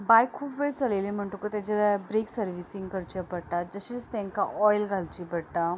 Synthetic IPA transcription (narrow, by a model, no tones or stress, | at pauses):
bajkʰːupʋeɽt͡səlelim̤əɳʈokot̪at͡ɕabɾeksəɾʋisĩŋɡkəɾt͡ɕapəɽʈ̪ad͡zəɕet͡st̪ẽŋkaʔɔjlɡʱalt͡ɕiːbəɽʈ̪a